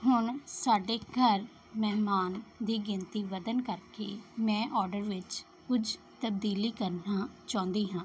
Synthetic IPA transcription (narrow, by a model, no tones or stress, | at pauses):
ɦʊɳsaːɖeːɡʱəɾ | mɛɦmaːnd̪iːɡɪ̃nt̪iːʋəd̪ənkəɾkeːmɛ̃ːʔɔːɾɖəɾʋɪt͡ʃ | kʊd͡ʒ | t̪əb̚d̪iːliːkəɾnaːt͡ʃãːnd̪iːɦãː